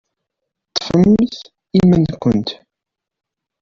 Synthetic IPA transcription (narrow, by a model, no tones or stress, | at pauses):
t̪ːfəmːθ | imənkʷənt̪